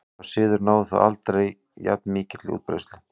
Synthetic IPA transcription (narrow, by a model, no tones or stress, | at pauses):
sɪːðʏɾnaːwðɪθa̰a̰lt̪ɾej | ja̰t̪nmɪːcɪt̪lɪṵːt̪pɾḛjst̪lɪ